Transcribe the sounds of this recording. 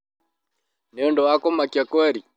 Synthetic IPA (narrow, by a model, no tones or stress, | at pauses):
nɔndɔakɔmakjakwɛɾi